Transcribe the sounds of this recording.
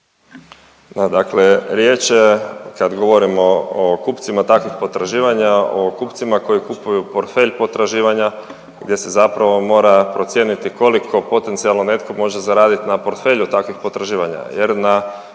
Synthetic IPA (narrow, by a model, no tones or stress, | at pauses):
d̪ad̪akleɾje̞t͡ʃekad̪ɡo̞ʋo̞ɾimookupt̪simat̪akʋixpot̪ɾaʒiːʋaɲaokupt̪simako̞jikupujupo̞ɾt̪fe̞ʎpo̞t̪ɾaʒiːʋaɲa | ɡd̪je̞se̞zapɾaʋo̞mo̞ːɾapɾo̞t̪sje̞ːnit̪iko̞likʰo̞po̞t̪ensialˠno̞ne̞t̪ko̞mo̞ʒezaɾaːd̪it̪napo̞ɾt̪fe̞ʎut̪akʋixpo̞t̪ɾaʒiːʋaɲa̰jeɾna